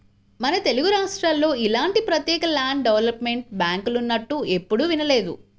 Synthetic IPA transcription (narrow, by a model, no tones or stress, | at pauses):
mɐnɐt̪e̞luɡuɾaːʂʈɾaːlːo̞ːilaːɳʈipɾɐt̪jɛːkɐlaːɳɖɖeʋɐlɐpme̞ɳʈ̚baːŋkulunːɐʈːue̞pːuɽuʋinɐle̞ːd̪ṵ